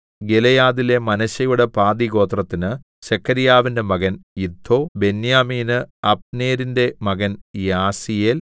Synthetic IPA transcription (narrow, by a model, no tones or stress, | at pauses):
ɡelɐjaːðile̞mɐnɐɕɐjuɽe̞paːd̪iɣo̞ːt̪rɐt̪ːinɨ | ɕekʰːɐɾijaːʋinde̞mɐɣɐnjid̪ʱːo̞ːbe̞njaːmiːnɨɐp̚neːɾinde̞mɐɣɐnjaːsijel